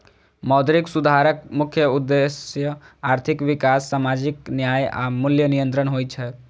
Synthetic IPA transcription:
mɔːd̪ɾiksud̪ʱaɾəkmʊkʰjəud̪ːesjə | aːɾt̪ʰikʋikasːaːmad͡ʒiknjaːja̰mʊljənijə̃nt̪ɾənɦojt͡ʃʰɛ

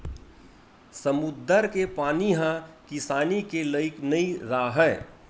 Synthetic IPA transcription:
səmʊd̪ʱːəɾkepaːniɦãkɪsaːnikeləɪknəĩɾaːɦɛː

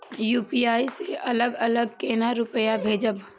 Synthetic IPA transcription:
juːpiaːiseʔɐləɡɐləɡ̚keːnaɾʊpəjabʱeːd͡ʒəb

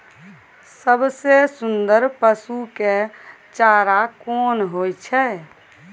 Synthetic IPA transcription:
səbsesund̪əɾpəsuke | t͡ʃaɾakonɦojt͡ʃʰɛ

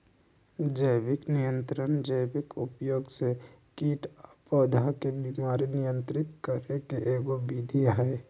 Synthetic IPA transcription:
d͡ʒəjbɪknɪjə̃nt̪ɾənd͡ʒəjbɪkʊpjoːɡse | kiːʈːpəd̪ʱakebiːmaːɾinɪjə̃nt̪ɾɪt̪kəɾekeʔeːɡobid̪ʱiaɦɛe

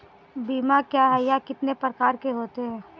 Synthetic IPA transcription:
biːmakjaɦɛjakɪt̪nepɾəkaːɾkeɦoːt̪eɦɛ̃ː

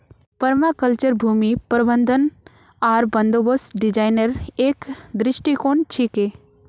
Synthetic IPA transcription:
pəɾmakəlt͡ʃəɾbʱumipɾbənd̪ʱən | aːɾbɐnd̪obosɖid͡ʒaːjnəɾeːkd̪ɾɪʃʈikoɳt͡ʃʰike

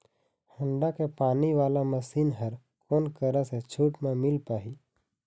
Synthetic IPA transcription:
hə̃ɳɖakepaːniʋaːlaməsiːnɦəɾ | koːnkəɾəset͡ʃʰuːʈmẽmɪlpaːɦiː

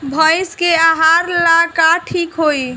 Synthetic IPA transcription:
bʱəjskeaɦaɾlakaʈʰikɦoj

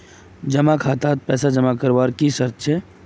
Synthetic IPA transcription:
d͡ʒəmakʰaːt̪aːt̪̚pɛːsad͡ʒəmakəɾʋaːɾkisəɾt̪ʃʰɛ

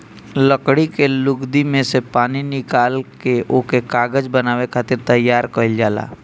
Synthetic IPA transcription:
ləkɽikelʊɡd̪imẽsepaːninɪkaːlkeʔokekaːɡəd͡ʒbənaːwekʰaːt̪ɪɾt̪ɐjːaːɾkəɪld͡ʒaːla̰ː

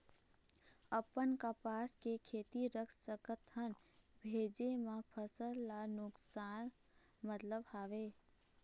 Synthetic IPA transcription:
əpənkəpaːskekʰeːt̪iɾəkʰsəkət̪ʰənbʱeːd͡ʒemãpʰəsəlːanʊksaːn | mət̪ləbhaːʋeː

